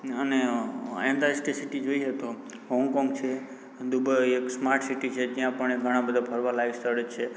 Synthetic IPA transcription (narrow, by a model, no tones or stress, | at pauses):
əneɛ̰̃nd̪asʈisiʈid͡ʒoiet̪o | ɦɔ̃ŋɡkɔŋɡt͡ʃʰe | d̪ubəeksmaɾʈʰsiʈit͡ʃʰed͡ʒijãpəɳeɡʱəɽ̃ãbəd̪ʱapʰəɾʋalaist̪əɾet͡ʃʰe